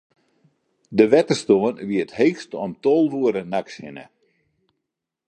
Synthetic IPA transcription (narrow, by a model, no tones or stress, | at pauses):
dəʋɛtərstoənʋiətheːxstɔmtoːlˠʋuəɾənakshɪnə̰